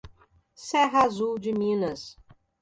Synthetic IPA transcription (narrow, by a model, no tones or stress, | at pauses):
sɛɦazuwd͡ʒɪmĩnɐs